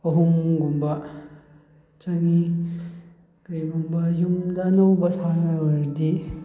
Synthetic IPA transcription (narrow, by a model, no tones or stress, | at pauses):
ɐɦumɡumbɐ | t͡ʃaŋi | kɾiɡumbɐjumdɐnawbɐsʰanɐwɐɾdi